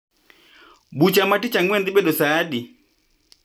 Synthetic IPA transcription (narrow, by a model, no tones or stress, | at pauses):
but͡ʃamatit͡ʃaŋwɛnd̪iɓɛɗɔsaːɗi